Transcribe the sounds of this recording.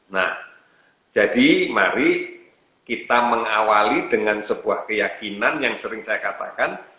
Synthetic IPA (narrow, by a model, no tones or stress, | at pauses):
na̰h | d͡ʒ̥adimaɾi | kit̪aməŋawalidəŋansəbuahkəjakinanjaŋsəɾɪŋsajakat̪a̰kan